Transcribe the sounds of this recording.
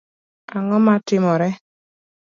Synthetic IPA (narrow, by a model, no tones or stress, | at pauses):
aŋɔmatɪmɔɾɛ